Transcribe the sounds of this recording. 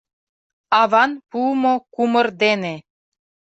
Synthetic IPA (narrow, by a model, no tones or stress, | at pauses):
ɑβɑnpumokumərd̪ene